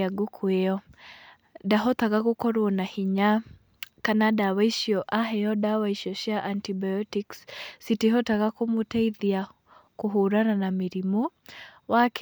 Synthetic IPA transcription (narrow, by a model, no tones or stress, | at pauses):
aɡokʰweɔ | daɦɔtaɣaɣokɔɾwɔnahiɲa | kanadawaiʃiɔʔaɦɛjɔdawaiʃiɔʃjaʔantibajɔtikssitiɦɔtaɣakomoteiðia | koɦuɾananamiɾimɔwak